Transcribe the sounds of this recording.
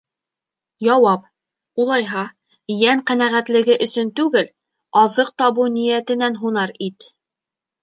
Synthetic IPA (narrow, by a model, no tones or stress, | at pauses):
jɑwɑp | ulˠɑjɦɑ | jæɴqænæʁæt̪lɘ̆ɡɘʔɵ̆sɵnt̪ʉɡɘl | ɑðɤq̚t̪ɑβɤnĭjæt̪ɘ̆nænɦunɑɾit̪